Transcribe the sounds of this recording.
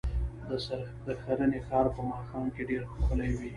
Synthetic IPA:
d̪əs | d̪əxaɾənexɑɾpəmɑxɑmkeɖeɾxoxəlajwi

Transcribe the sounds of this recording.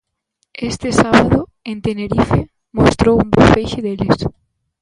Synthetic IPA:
est̪ɪsaβaðoent̪eneɾife | most̪ɾowumbofejʃɪðeʎes

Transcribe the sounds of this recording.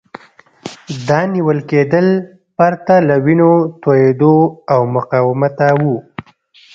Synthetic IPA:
d̪ɑniwəlked̪əl | paɾt̪alawinot̪ojed̪oawmʊqɑwɪmat̪awu

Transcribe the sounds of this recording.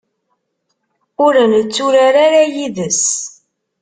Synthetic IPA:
ʊɾənət͡sːʊɾaɾaɾajiðəs

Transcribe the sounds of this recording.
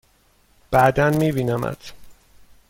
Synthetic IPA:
b̥æd̪ænmiːbiːnæmæ̰d̪̥

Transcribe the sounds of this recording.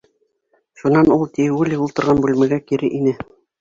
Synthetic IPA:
ʃunɑnulˠt̪ijwɘliulˠt̪ɤ̆ɾʁɑnbʉlmæɡækiɾɘʔinɘ

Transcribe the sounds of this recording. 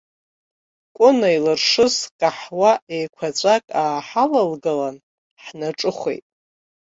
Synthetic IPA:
kʷʼʊnailɨrʂɨzkʼaħwaejkʷʰat͡ɕʷʼakʼaːħalalɡalan | ħnaʈ͡ʂʼɨχʷḛjtʼ

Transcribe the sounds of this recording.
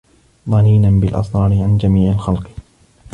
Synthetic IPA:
ðˤɑniːnanbɪlʔɑ̰sˤɾˤɑːɾɪʕand͡ʒamiːʕalxalq

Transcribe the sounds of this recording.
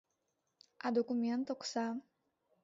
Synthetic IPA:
ad̪okumʲẽnt̪oku̥sa

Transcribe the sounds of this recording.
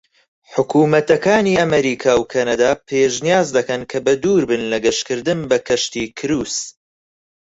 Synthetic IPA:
ħʊkʰuːmɐt̪ɐkaːniːɐmɐɾiːkʰaːwkʰɐnɐd̪aːpʰeʒnijaːzd̪ɐkɐnkʰɐbɐd̪uːɾbɨnlɐɡɐʃkɨɾd̪ɨnbɐkʰɐʃt̪iːkʰɨɾuːs

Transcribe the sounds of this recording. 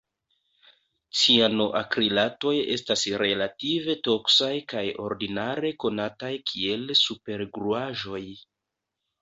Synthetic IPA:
t͡siano̞ʔakɾilato̞je̞stasɾe̞lative̞to̞ksajkajo̞̰ɾdinaɾe̞ko̞natajkʰie̞lsupe̞ɾɡɾuaʒo̞j

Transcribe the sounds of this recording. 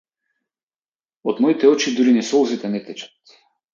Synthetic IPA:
od̪mɔit̪ɛɔt͡ʃid̪uɾinɛsɔlˠzit̪ɛnɛt̪ɛt͡ʃḁt̪

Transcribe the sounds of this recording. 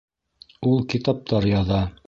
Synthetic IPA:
ulˠkit̪ɑp̚t̪ʰɑɾjɑðɑ

